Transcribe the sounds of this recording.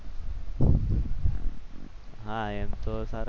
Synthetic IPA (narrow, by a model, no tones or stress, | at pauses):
ɦãjant̪osaɾ